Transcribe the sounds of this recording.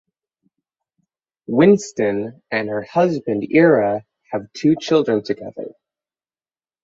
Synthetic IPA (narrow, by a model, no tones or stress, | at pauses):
wɪ̃nstɨ̃n | ɨ̃nhə˞hʌzbɨ̃ndɪɹɨ | ɨv̥tʰʉt͡ʃʰɪlˠdɹɨ̃ntʰɨɡɛðə̰˞